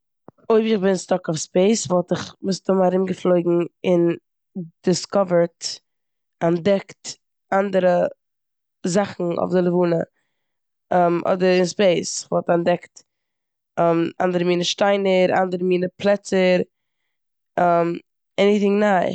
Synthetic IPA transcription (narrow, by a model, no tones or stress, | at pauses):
oɪbɪχbɪnnstɔkɔfspeɪsvɔlˠtɪχmɪsdʊmaɾɪmɡəflˠoɪɡŋ̩ɪn | d̥ɪskɔvəɹt | andɛkt | andəɾə | zaχn̩ɔ̰fdɪlˠəvuːnə | ɛmʔɔ̰dəɾɪnspeɪsɪ̥χvɔlˠtandɛkt | ɛma̰ndəɾəmiːnəʃtaɪnəɾa̰ndəɾəmiːnəplˠɛt͡səɾ | ɛm | ɛniθɪŋnaɪ